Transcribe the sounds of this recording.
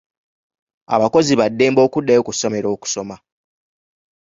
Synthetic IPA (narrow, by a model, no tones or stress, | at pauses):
a̰βako̞ziβadːe̞ːmbo̞ːkudːajokuso̞me̞ɾo̞ːku̥so̞ma